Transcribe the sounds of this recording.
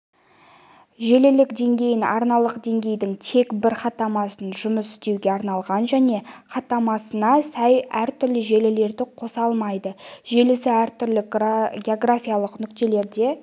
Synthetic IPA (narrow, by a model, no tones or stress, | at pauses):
ʒe̞lɪlɪkd̪e̞ŋɡʲe̞jɪnɑ̰ɾnɑlˠəqd̪e̞ŋɡʲe̞jd̪ɪŋt̪ʰe̞kbɪɾχɑt̪ɑmɑsənʒʊməsɪ̥st̪e̞wɡʲeɑɾnɑlˠʁɑnʒæne̞χɑt̪ːɑmɑsənɑsæjæɾt̪ʰʏɾlɪʒe̞lɪle̞ɾd̪ɪqʰo̞sɑlˠmɑjd̪əʒe̞lɪsɪæɾt̪ʰʏɾlɪɡʲeoɡrafʲijalˠəqnʏkt̪e̞le̞ɾd̪e̞